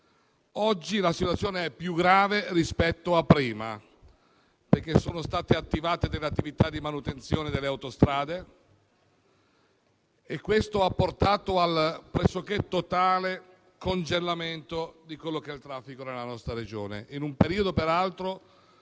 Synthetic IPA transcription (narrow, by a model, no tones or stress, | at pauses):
ɔd͡ʒːilasit̪wat̪sjoːneɛpːjuɡɾaːverispɛt̪ːoapːɾiːma̰ | perk̟esːoːnost̪aːt̪eat̪ːivaːt̪ed̪eleat̪ːivit̪ad̪ːimanut̪ent̪sjoːned̪elːeawt̪ost̪ɾaːd̪e | ekːwest̪oapːort̪aːt̪oalpɾɛsːoket̪ot̪aːle | kond͡ʒelːament̪od̪ikwelːokeɛilt̪ɾafːikonelːanɔst̪ɾaɾed͡ʒo̰ːnḛʔinumpeɾiːod̪opeɾalt̪ɾo